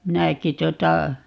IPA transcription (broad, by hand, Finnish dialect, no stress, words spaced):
minæki tuotɑ